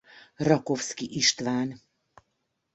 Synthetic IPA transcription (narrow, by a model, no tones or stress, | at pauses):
rɒkofskiʔiʃt̪ʋaːn